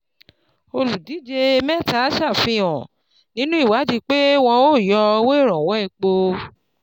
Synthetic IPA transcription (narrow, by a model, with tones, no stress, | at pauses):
o˧lu˨di˨˦d͡ʒe˧e˧mɛ̃˦˨ta˨˦ʃa˦˨fĩ˧ɔ̃˨ | nĩ˦nũ˦i˦˨wa˨˦d͡ʒi˧k͡pe˦w̃ɔ̃˧o˦˨jɔ˧we˦i˦˨ɾ̃ɔ̃˨wɔ˨˦i˦˧˨k͡po˧